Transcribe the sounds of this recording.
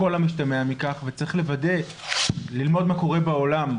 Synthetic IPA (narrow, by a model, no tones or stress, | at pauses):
o̞lamiʃtameamikaχvet͡saʁiχle̞vade̞ | lilmo̞d̪mako̞ʁe̞baolam